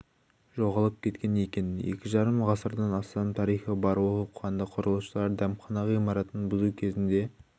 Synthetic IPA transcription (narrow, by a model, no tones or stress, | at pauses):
ʒo̞ʁɑlˠəp̚kʲʰe̞t̪̚kʲe̞ne̞kʲe̞nje̞̰kʲɪʒɑɾəmʁɑsəɾd̪ɑnɑst̪ɑmt̪ʰɑɾijχəbɑɾwoəuqəʁɑnd̪ɑqʰʊɾəlˠuʃəlˠɑɾd̪æmχɑnɑʁijmɑɾɑt̪ənbʊzukʲʰe̞zɪnd̪e̞